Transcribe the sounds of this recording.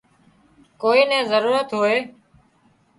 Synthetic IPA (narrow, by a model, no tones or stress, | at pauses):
koːiːnɛ̃ːzəɾuːɾət̪ɦoːeː